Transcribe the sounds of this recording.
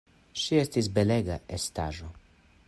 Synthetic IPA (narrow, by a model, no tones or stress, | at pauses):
ʃiest̪is̬beleɡa̰est̪a̰ʒo